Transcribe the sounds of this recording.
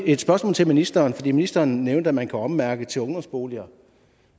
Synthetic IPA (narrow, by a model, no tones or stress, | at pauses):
e̝d̥sb̥ɶɐsmɔ̰̽lt͡sʰelminisd̥ɐːnfɒdḭːminisd̥ɐːnneʊnd̥əæmænkʰæɒ̽mmæɐɡ̥ət͡sʰe̝ɔ̽ŋd̥ɒ̽msb̥o̝ːliɐ